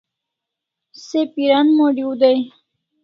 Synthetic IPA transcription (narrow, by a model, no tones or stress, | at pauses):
sepiɾanmoɖiud̪aj